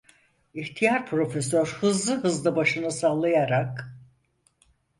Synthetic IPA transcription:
içt̪ʰijaɾpʰɾo̞fesøɾhɯzlˠɯɦɯzlˠabaʃɯnɯsalˠajaɾak

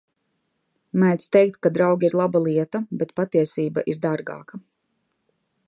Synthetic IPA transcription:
majt̪st̪ɛjk̚t̪kad̪ɾawɡʲiɾlˠabalˠiɛt̪abɛt̪pat̪iɛsiːba̰ʔiɾd̪aɾɡa̰ːka

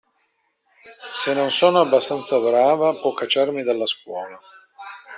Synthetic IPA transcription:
senːonsɔːnoabːast̪ant̪sabɾaːvapwɔkːat͡ʃːarmid̪alːaskwɔːla

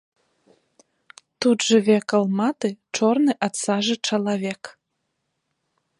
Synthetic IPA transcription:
t̪ud̪ʒɤβekəlmɑt̪et͡ʃorneʔɑt̪sɑʒĕt͡ʃɑlɑβek

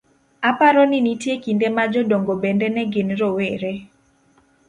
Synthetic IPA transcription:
apaɾɔnɪnitjekindemad͡ʒɔdoŋɡobɛndɛnɛɡɪnɾoweɾe

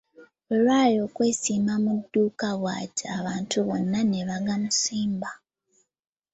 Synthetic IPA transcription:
olwaːjo̞ːkwe̞ːsiːmamudːuːkaβwa̰ːtaβaːntuβo̞nːane̞βaɡamusiːmba

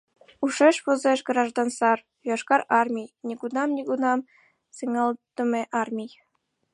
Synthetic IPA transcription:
uʃeʃβozeʃɡrɑʒd̪ɑnsɑr | joʃkɑɾɑrmʲijnʲiɡunɑmnʲiɡunɑm | seŋɑlt̪ə̆meʔɑrmʲij

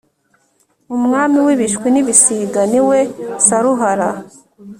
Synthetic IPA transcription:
umŋaːmiwiβiʃkwiniβisiːɡaniwe̞saɾuɦaɾa

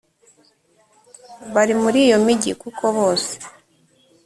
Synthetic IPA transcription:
βaɾimuɾiːjo̞miɟḭkukʰo̞βo̞ːse̥

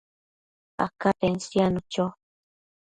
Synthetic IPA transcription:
a̰kaʔensjanot͡ʃaw

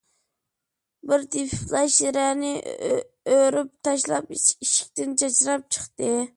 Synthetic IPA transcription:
bɪɾt̪ʰiflˠɑʃɾænɪ | øɾyp̚t̪ʰɑʃlˠɑpiʃi̥k̚ʲt̪ɪnt͡ʃʰɑt͡ʃɾɑp̚t͡ʃʰə̥χt̪ɨ

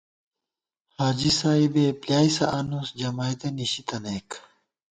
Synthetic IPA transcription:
haːd͡ʑisaibepljaːisɐʔːnusd͡ʑɐmajd̪eniɕit̪ɐnek

